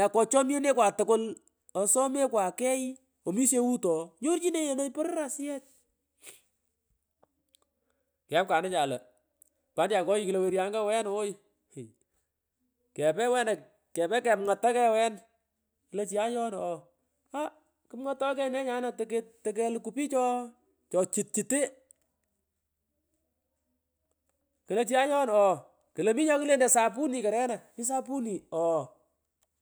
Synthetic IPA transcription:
na˨kɔ˨t͡ʃɔ˦mje˦ne˦kwa˨tʊ˨kʊ˦l | ɔ˨sɔ˦me˦kwa˨kɛ˦i˦ | o˨mi˦se˦wu˦tɔ˨ɲo˦ɾt͡ʃi˦ne˦je˨no˦jpɔ˦ɾɾa˨sɪ˦ɛ˦t̚ | kɪ˨a˦p̚ka˨nɪ˦t͡ʃa˨lɐ˨ | ka˨˦nda˨ŋkɔ˦ji˦ki˨le˨we˨ɾja˨ŋɡa˦˨wɛ˦no˨˦j | kɛ˨pɛ˦wɛ˦na˨ | kɛ˨pɛ˦kɛ˨mŋa˨tːa˦kɛ˦˨wɛ˦n | ki˨le˦t͡ʃi˨a˦ɲɔ˦nɔ˨ | a˦ | kɪ˦mŋa˦tːɔ˦kɛ˦nɛ˦ɲa˦na˨tketɛ˨k̬ɛ˦lku˦pi˦t͡ʃɔ˦ | t͡ʃɔ˨t͡ʃi˨t̚t͡ʃi˨te˦ | ki˨le˦t͡ʃi˦a˦ɲɔ˦nɔ˨ | ki˨le˨mi˦ɲɔ˦ki˦le˦ndɛ˨sa˨p̬u˦ni˨ka˨ɾɛ˦na˨ki˦s̬a˦pu˦ni˨ɔ˨

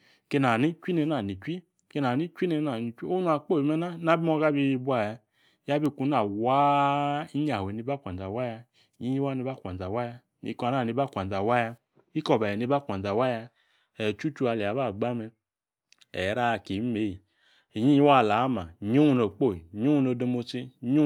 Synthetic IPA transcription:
ke˧na˨ni˦t͡ʃʷi˦ne˧˦na˨ni˨t͡ʃʷi˦ | ke˧n˨a˨ni˦t͡ʃʷi˦ne˧˦na˨ni˧˨t͡ʃʷi˦o˦nu˦a˧˨k͡po˦˨i˨mɛ˦na˦na˦bi˦mɔ˦˧ɡa˦bi˧bu˦a˨ja˧˦ | ja˦bi˧ku˧˦na˨wa˦i˦ɲa˨e˨ni˧ba˦kʷa˨n˨d͡za˨wa˦ja˧˨ | ji˦i˦wa˦ni˧ba˦˨kʷa˨n˨d͡za˨wa˦ja˧ | nḭ˧˦ka˧˨na˦˨ni˧ba˦˨kʷa˨d͡za˨wa˦ja˧ | i˦kɔ˧˨ba˨ɛ˨ni˧˦ba˦˨kʷa˨n˨d͡za˨wa˦ja˧ | ɛ˨t͡ʃu˦t͡ʃu˧˦a˧li˨a˨ba˦˨ɡ͡ba˦mɛ˧ | ɛ˨˦ɾa˦˧˨ke˨˦me˨˦ji˨ | ɲi˦i˦wa˦˨la˨˦ma˨ɲo˦u˧no˨k͡po˦˨i˨ɲo˦u˧no˧˨do˧mo˧t͡ʃi˧˦ɲu˦

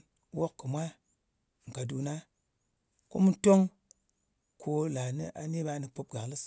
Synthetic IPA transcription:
wo˦kːɨ˨mʷa˦˨ | ŋ̩˨ka˨du˨na˦ | ko̰˦mu˦to˦ŋ | kʰo˧la˨nḭ˦ʔa˨ne˦ba˦nɨ˧po˧p̚ɡa˨klɨ˦s

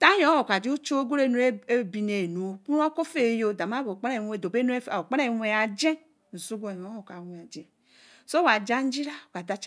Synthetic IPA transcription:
ta˦jõ˨˦o˨ka˨d͡ʒi˦u˦t͡ʃo˦ɡo˦ɾe˦nu˨˦e˦e˦bi˨ne˨nu˨˦ku˦n˦o˦ko˦fe˦˨jo˦da˨ma˦bo˨k͡pa˦ne˦˨e˨do˨be˦nu˦e˦˨o˨k͡pa˦ne˦˨wʷe˨a˨d͡ʒe˦˨ | zu˦ɡo˨˦˨jo˨˦o˨ka˨we˨a˨d͡ʒe˨ | so˦wa˨d͡ʒa˦n̩˦d͡ʒi˦ɾa˦o˨ka˨da˦t͡ʃ

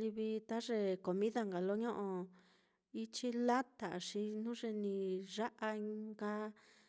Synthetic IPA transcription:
li˧βi˧t̪a˦ʐe˧ko˨mĩ˦ða˧ŋɡa˨lo˦ɲõ˦ʔõ˧ | i˦t͡ʃi˦la˦t̪a˨ʂi˧nũ˦ʐe˧nĩ˧ʐa˦ʔa˧i˧ŋɡa˧

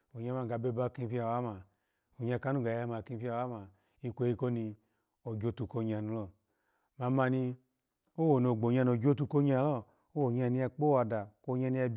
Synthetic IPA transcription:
o˨ɲa˧˦ma˧˨ɡa˨be˧˦ba˦˧˨ki˧pi˦a˧˨wa˦ma˨ | o˨ɲa˧˨ka˨˦nu˦˨ɡa˨ja˧˦ma˨ki˧pi˦a˧˨wa˦ma˨ | i˧kʷe˧˦i˧ko˦ni˧ | o˨ɡo˧˦tu˧ko˧˨ɲa˧˨nu˧lɔ˧˨ | ma˧˦ma˧ni˧ | o˦wo˨no˨ɡ͡bo˨ɲ˦a˧n˨o˨d͡ʒo˦tu˧ko˧ɲa˧˨lɔ˦˨ | o˦wo˨ɲa˧˨ni˧a˧k͡po˦wa˧da˨ko˧˦ɲa˧ni˧a˧b

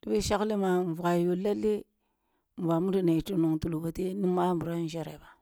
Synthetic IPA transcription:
di˨be˦ʃa˦kle˦ma˨vu˨ɣa˨jo˨la˦lːe˦ | m˨va˨mu˦di˨na˨i˨ti˦no˨ŋtu˨lu˨ba˨te˦ni˦ma˦m˨bu˨ɾa˦n˦d͡ʒa˦ɾa˨ba˨

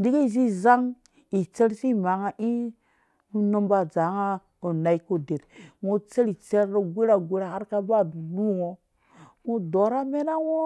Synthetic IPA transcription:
di˦ɡe˦˨z̬i˦za˦ŋ | i˨t͡se˦ɾsi˦ma˨˦ŋa˦ʔi˦ | mu˦no˦mba˦˨d͡za˨˦ŋa˦ | o˨na˨i˦ko˦de˨ɾŋo˦t͡se˦li˨t͡se˦ɾo˨ɡʷe˦ɾa˨ɡʷe˦ɾa˨ha˦ɾka˦ba˦˨lu˦ŋo˨ | ŋo˦do˨˦ɾa˦me˦na˦wo˦

